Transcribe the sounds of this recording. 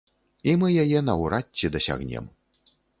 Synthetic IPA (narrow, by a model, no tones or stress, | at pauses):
imɨjajɛnɐwɾatʲːid̪ɐsʲa̰ɣnʲɛ̰m